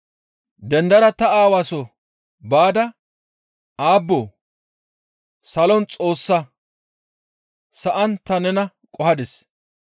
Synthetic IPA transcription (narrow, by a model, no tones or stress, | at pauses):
d̪ɛnd̪ɐɾɐt̪ɐaːwaːsɔ | baːd̪ɐ | aːbːoː | sɐlɔnt͡sʼo̞ːsːɐ | sɐʔɐnt̪ɐnɛnɐ | kʼɔhɐd̪ɛs